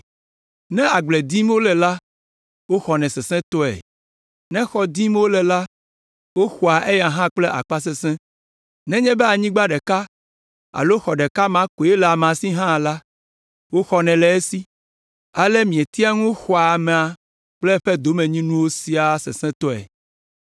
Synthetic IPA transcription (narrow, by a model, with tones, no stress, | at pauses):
nɛ̃˦a˨ɡ͡blɛ˨d̪i˦m˦wo˦lɛ˨la˦ | wo˦xɔ˨nɛ̃˨sɛ˨sɛ̃˦t̪ɔ˦ɛ̰˨ | nɛ̃˦xɔ˨d̪i˦m˦wo˦lɛ˨la˦ | wo˦xɔ˨a˨ʔe˦ja˨ɦã˦k͡plɛ˦ʔa̰˨k͡pa˦s̬ɛ˦sɛ̃˦ | nɛ̃˦ɲɛ̃˦bɛ˦a˨ɲĩ˦ɡ͡ba˦ɖɛ˨ka˦ | a̰˨lo˦xɔ˨ɖɛ˨ka˦mã˦ko˨e˦lɛ˨a˨m˨a˨si˦ɦã˦˨la˦ | wo˦xɔ˨nɛ̃˨lɛ˨e˦si˦ | a˨lɛ˦mĩ˨ɛ˨t̪i˦a˦ŋũ˦xɔ˨a˨mɛ̃˨a˨ | k͡plɛ˦ɸɛ˦d̪o˦mɛ̃˨ɲĩ˦nũ˦wo˦si˦a˨sɛ̰˨sɛ̃˦t̪ɔ˦ɛ̰˨